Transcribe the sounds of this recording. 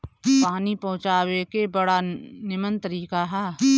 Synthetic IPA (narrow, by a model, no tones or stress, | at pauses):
paːnipɐ̃ɦʊ̃t͡ʃaːwekebɐɽanɪmənt̪əɾiːkaɦɛː